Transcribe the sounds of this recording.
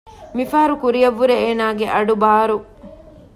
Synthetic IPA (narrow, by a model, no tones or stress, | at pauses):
mifaːɐɾukuɾijɐʋːuɾeeːnaːɡeʔɐɖubaːɾu